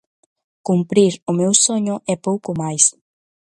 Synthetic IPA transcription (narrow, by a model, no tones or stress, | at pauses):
kumpɾiɾʊmewsoɲʊʔɛpowkʊmajs